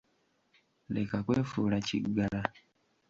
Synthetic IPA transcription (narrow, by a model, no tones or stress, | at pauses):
lekakwefuɾat͡ʃḭɡala